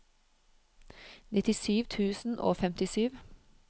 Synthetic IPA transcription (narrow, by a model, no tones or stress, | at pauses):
nɪt̪ɪsyːʋt̪ʰʉːsn̩ʔo̰ːfɛmt̪ɪsyːʋ